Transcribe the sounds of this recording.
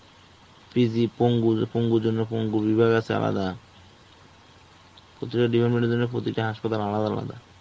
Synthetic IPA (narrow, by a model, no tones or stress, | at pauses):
fɾid͡ʑipoŋɡupoŋɡuɾd͡ʑonːepoŋɡuɾbibʱaɡat͡ɕʰea̰la̰d̪a | pɾot̪ikaɖibʱeɾmeɳʈeɾd͡ʑonːepɾot̪ikʈaɦaʃpat̪alalad̪aala̰d̪a̰